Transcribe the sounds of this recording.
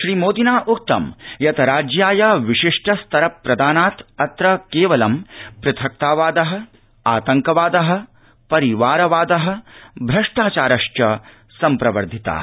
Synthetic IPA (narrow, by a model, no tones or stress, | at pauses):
ʃɾiːmoːd̪inaːʔuk̚t̪ɐ̰mjɐt̪ɐɾaːd͡ʒjaːjɐʋiʂiʂʈʰɐst̪ɐɾɐpɾɐd̪aːnaːt̪ɐt̪ɾɐkeːʋɐlɐmpɾɐt̪ʰɐk̚t̪aːʋaːd̪ɐɦɐ | aːt̪ɐŋkɐʋaːd̪ɐɦɐ̆ | pɐɾiʋaːɾɐʋaːd̪ɐɦɐ̆bʱɾɐʂʈaːt͡ʃaːɾɐʂt͡ʃɐ | sɐmpɾɐʋɐɾd̪ʱit̪a̰ː